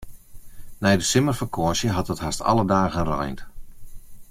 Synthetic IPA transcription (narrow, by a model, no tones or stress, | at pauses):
nɛjdəsɪmərfəkʰɔəʃjəɦɑtətɦastɑ̰lˠədaːɣənrɔ̰jnt